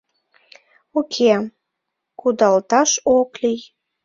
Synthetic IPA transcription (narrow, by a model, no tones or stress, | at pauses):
ukʰem | kud̪ɑlt̪ɑʃoklij